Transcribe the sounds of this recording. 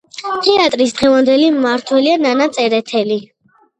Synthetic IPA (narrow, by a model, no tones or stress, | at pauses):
t̪ʰɛat̪ʼɾisd̪ʁɛvand̪ɛlimaɾt̪ʰwɛliananat̪sʼɛɾɛt̪ʰɛli